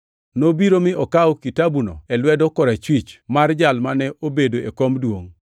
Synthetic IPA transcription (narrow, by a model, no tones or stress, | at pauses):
nobiɾomɪʔɔkawkitabuno̰ɛlwɛdɔkɔɾat͡ʃwit͡ʃmard͡ʒalmanɛʔobedoekomdwoŋ